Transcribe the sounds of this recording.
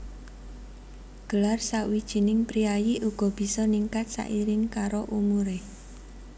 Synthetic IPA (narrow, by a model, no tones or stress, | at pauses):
ɡ̥əlarsaʔwid̥ʒ̥i̤nɪŋpɾiajiʔuɡ̥ɔ̤b̥i̤sɔniŋkat̪̚sa̰ʔiɾɪŋkaɾoʔumuɾe